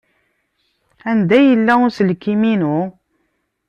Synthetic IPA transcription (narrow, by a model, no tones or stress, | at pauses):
ænd̪æjəlːæʊɾsəlkːiminu